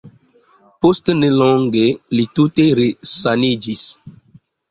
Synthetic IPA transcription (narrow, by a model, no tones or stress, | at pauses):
postnelɔŋɡelituteɾesanid͡ʒis